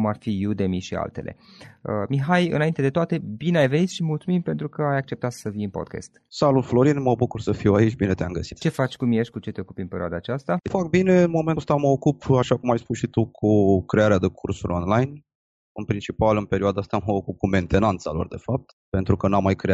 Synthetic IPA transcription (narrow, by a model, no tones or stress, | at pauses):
kumarfijud̪emiʃia̰lt̪e̞̰lʔḛəmiɦajɨ̰naint̪e̞d̪e̞t̪oat̪e̞bineajve̞nit̪ʃimult̪sumimpe̞nt̪ɾukəajak̚t͡ʃe̞p̚t̪at̪səfijɨnpo̰d̪ka̰st̪salulflo̞ɾinməbukursəfiwait͡ʃʲbinet̪eamɡəsi̥t̪t͡ʃe̞fat͡ʃʲkumijeʃʲkut͡ʃe̞t̪eo̞kupɨmpe̞ɾioad̪aːt͡ʃast̪afak̚bine̞ɨnmo̞mest̪aməokupaʃakumajspusʃit̪ukʰukɾeaɾead̪ekʰursuɾʲonlajn | ɨnpɾint͡ʃipalɨnpe̞ɾioad̪aast̪aməokup̚kume̞nt̪e̞nant̪salo̞̰rd̪e̞fap̚t̪ | pe̞nt̪ɾukənamːajkɾea